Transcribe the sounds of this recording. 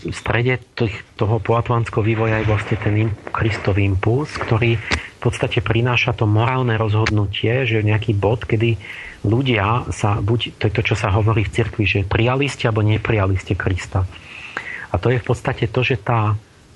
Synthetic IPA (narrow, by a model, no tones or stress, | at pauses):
fst̪ɾɛɟɛt̪ixt̪ɔɦɔpɔat̪lant͡skɛɦɔʋiːʋɔjajɛʋlasɲɛt̪ɛnimkɾist̪ɔʋiimpulskt̪ɔɾiːfpɔt̪st̪acɛpɾinaːʃat̪ɔmɔɾaːlnɛɾɔzɦɔd̪nucʰɪɛʒɛɲɛakiːbɔt̪kɛd̪i | luɟɪasabuct̪ɔjɛt̪ɔt͡ʃɔsaɦɔʋɔɾiːft͡siɾkʋiʒɛpɾijaliscɛalbɔɲɛpɾijaliscɛkɾist̪a | at̪ɔjɛfpɔt̪st̪acɛt̪ɔʒɛt̪aː